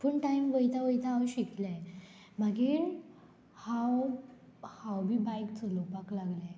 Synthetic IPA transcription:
pəɳʈaimʋəjt̪aʋəjt̪aːʋɕikla | m̤aɡiːɾ | haw | hawbʱiːbajkt͡səlopaklaɡla

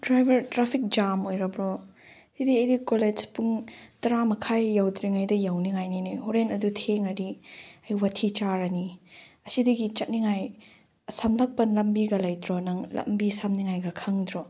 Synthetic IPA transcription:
dɾajbʱɐɾtɾapʰik̚d͡ʒamojɾɐbɾɔ | sidiɐjdikoled͡ʒpuŋtɐɾamɐkʰajːawdɾiŋajdɐjawniŋajninihuɾenɐdutʰeŋɐɾiɐjwɐtʰit͡ʃaɾɐniɐsidɐɡit͡ʃɐt̚niŋaj | sɐmlɐk̚pɐnlɐmbiɡɐlɐjdɾɔnɐŋlɐ̰mbisamniŋajɡɐkʰɐŋdɾɔ

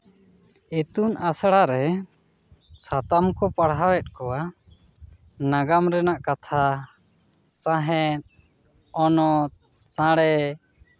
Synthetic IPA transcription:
ɛt̪unasɽaɾɛ | sat̪amkɔpaɽɦawɛt̪̚ˀkɔwa | naɡamɾɛnaʔkat̪ʰa | sãɦɛt̪̚ | ɔnɔt̪̚ | sãɽɛ

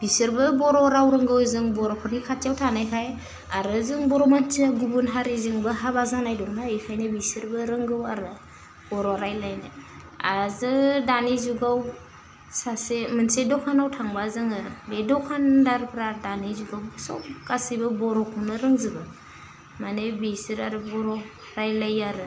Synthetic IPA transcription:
b̥isɯɾbɯbɔɾɔɾawɾɯŋɡɯwzɯŋbɔɾɔkʰɔnikʰatjawtʰanajkʰaj | aɾɯzɯŋbɔɾɔmant͡ʃaɡubunɦaɾizɯŋbɯɦabazanajdɔknaɯjkʰajnɯbisɯɾbɯɾɯŋɡɯwaɾɯ | b̥ɔɾɔɾajlajnɯ | azɯdanizuɡaw | sasemɯnsedɔkʰanawtʰaŋbazɯŋɯbedɔkʰandaɾpʰɾadanizuɡawsɔ̰p̚kasibɯbɔɾɔkʰɔnɯɾɯŋzɯbɯ | manebisɯɾaɾɯbɔɾɔ | ɾajlajaɾɯ

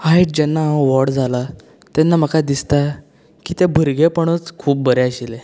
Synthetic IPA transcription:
aiʈ̚d͡ʑɛnːaʋɔɽd͡zʱala | t̪ɛnːam̤əkad̪ist̪a | kiːt̪ebʱəɾɡepəɳ̃ət͡skʰuːp̚bəɾeəɕile

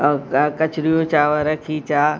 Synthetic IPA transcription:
kɐt͡ʃɾijot͡ʃaːʋəɾɐkʰit͡ɕaː

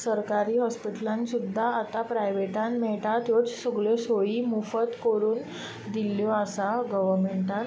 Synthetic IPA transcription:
səɾkaɾiːɦɔspiʈəlãnsud̪ʱːaat̪apɾajʋeʈãnmɛɭʈat̪jot͡ssəɡɭesoiːmufət̪koɾuːn | d̪iljɔasaɡəʋəɾmeɳʈã

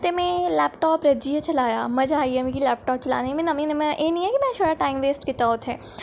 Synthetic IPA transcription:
t̪emẽlɛːpʈɔːpɾɐd͡ʒijət͡ʃɐlaːja̰mɐd͡ʒaːiemẽkilɛːp̚ʈɔːp̚t͡ʃɐla̰ːnimẽnɐmĩnmẽʔenĩɛ̃kimɛ̃ʃoɾaʈaːɪmʋeːsʈkɪt̪aot̪ɦɛː

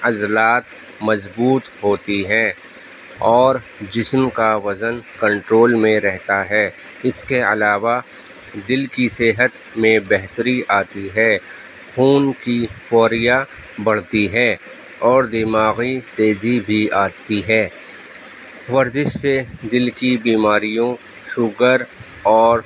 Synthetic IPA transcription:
ɐzlaːt̪ | mɐzbuːt̪ɦoːt̪iɦɛ̃ː | ɔːɾ | d͡ʒɪsmkaʋɐzənkə̃ɳʈɾoːlmẽɾɛɦt̪aɦɛː | ɪskeɐ̰laːʋa | d̪ɪlkiseɦət̪ | mẽbɛɦt̪ɾiaːt̪iɦɛː | xuːnkifɔːɾija | bɐɽ̤t̪iɦɛː | ɔːɾd̪ɪmaːɣit̪eːzibʱiaːt̪iɦɛː | ʋɐɾzɪʃsed̪ɪlkibiːmaːɾijõ | ʃʊɡəɾ | ɔːɾ

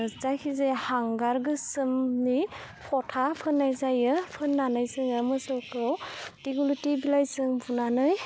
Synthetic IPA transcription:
zakʰizehaŋɡaɾɡɯsɯmnipʰɔtʰapʰɯnːajzajɯpʰɯnːanajsɯŋɯmɯsɯwkɯwtiɡulitibilajsɯŋbunanɯj

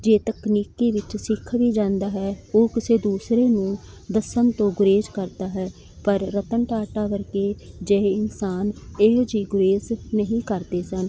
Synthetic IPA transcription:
d͡ʒeːt̪əkniːkiːʋɪt͡ʃsɪkʰːʋiːd͡ʒãːnd̪aːɦɛːoːkɪseːd̪uːsɾeːnũː | d̪əsənt̪õːɡʊɾeːzkəɾd̪aːɦɛː | pəɾːət̪ənʈaːʈaːʋəɾkeːd͡ʒeɪnsaːneːd͡ʒiːɡʊɾeːznəɦĩːkəɾd̪eːsən

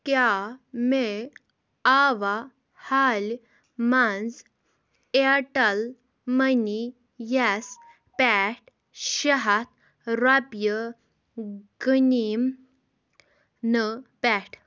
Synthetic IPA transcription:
kjame | aʋa | hal | mand͡z | eaʈal | məni | jas | pɛʈ̚ | ɕəɦat̪̚ | ɾapjə | ɡənim | nəpɛʈ

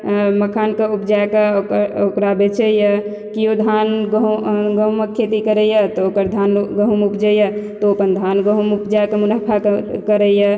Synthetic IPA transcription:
məkʰankeupd͡ʒaekeokɾokɾabet͡ʃʰəjə | kiod̪ʱanɡɡəɦməkʰːet̪ikəɾəjət̪ɔokəɾd̪ʱanɡəɦumupd͡ʒəjət̪ɔoːpənd̪ʱanɡəɦumupd͡ʒaekemunapʰakəɾəjə

